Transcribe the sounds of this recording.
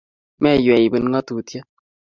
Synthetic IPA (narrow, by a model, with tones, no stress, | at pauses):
mɛ˦˨jɛ˨i˨bɨ˧˦n˦ŋɔ˦tu˨tjə˦